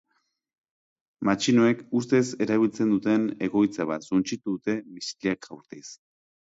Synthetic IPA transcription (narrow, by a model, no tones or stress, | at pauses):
mat͡ʃinoe̞kus̬t̪e̞se̞ɾaβ̞ilt͡se̞nd̪ut̪e̞ne̞ɣo̞jt͡saβ̞at̪sunt͡ʃit̪uðut̪e̞misi̥ʎiakawɾt̪is